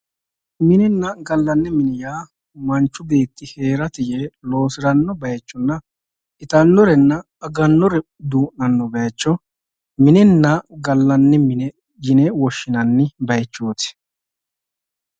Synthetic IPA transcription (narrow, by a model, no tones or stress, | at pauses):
mɪnɛnːɐɡɐlːɐnːɪmɪnɪjaː | mɐnt͡ʃːʊbeːt̪ːɪhe̞ːɾɐt̪ɪjelo̞ːsɪɾɐnːɔbɐjt͡ʃːʊnːɐ | ɪt̪ɐnːɔɾɛnːɐ | ɐɡɐnːɔɾɛ | d̪uːʔːɐnːɔbɛɐt͡ʃːɔ | mɪnɪnːɐɡɐlːɐnːɪmɪnɛ | jɪnɛwɔʃːɪnɐnːɪbɐjt͡ʃːoːt̪ɪ̥